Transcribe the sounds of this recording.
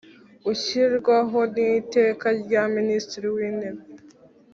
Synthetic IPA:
uçiɾɡwaɦo̞nite̞ːkaɾɟaministiɾiwiːnebe

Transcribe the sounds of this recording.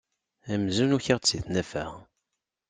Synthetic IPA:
æmzunuçəʁt͡sːiθnæfæ̰ʁ

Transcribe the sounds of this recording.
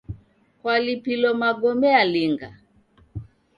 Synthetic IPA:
kwalipilɔmaɡɔmɛaliŋɡa̰

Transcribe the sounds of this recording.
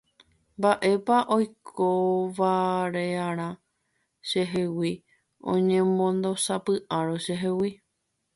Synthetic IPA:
mbaʔe̞paʔojkʰoʋaɾeaɾ̃ã | ʃe̞ɦewi | õ̰ɲẽmõnd̪o̞sapɨʔaɾoʃeɦewi

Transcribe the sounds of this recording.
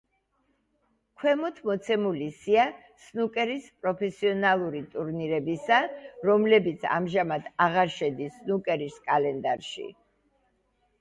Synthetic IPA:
kʰwɛmɔt̪ʰmɔt̪sʰɛmulisia | snukʼɛɾispʼɾɔpʰɛsiɔnalˠuɾit̪ʼuɾniɾɛbisaɾɔmlɛbit̪sʰa̰mʒamad̪ʰaʁaɾʃɛd̪isːnukʼɛɾiskʼalɛnd̪aɾʃḭ

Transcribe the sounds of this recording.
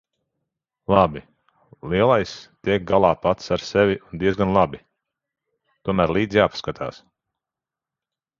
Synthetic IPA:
lˠabi | lˠiɛlˠajst̪iɛk̚ɡalˠaːpat̪saɾsɛvʲiʔund̪iɛzɡanlˠabi | t̪uɔmæːɾlˠiːd̪zijaːpḁskat̪ʰa̰ːs

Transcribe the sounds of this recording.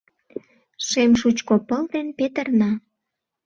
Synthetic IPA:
ʃemʃut͡ɕkopəlt̪enpet̪ə̆rnɑ

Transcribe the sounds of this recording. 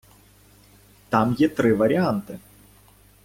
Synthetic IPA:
t̪amjɛt̪ɾɨvɐɾʲɪant̪ɨ

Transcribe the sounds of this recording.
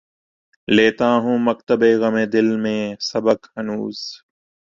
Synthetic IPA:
leːt̪aːɦũːmək̚t̪əbeːɣəmeːd̪ɪlmẽːsəbəkhənuːz

